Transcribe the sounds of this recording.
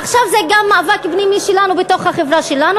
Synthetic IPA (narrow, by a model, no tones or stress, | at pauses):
aχʃavzeɡamːaːvakbnimiʃelanubeto̞χhaχevʁaʃelanu